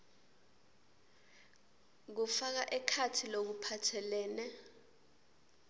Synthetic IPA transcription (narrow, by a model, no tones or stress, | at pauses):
k̬ufak̬aʔɛkʰatʰilok̬upʰatʰɛlɛːnɛ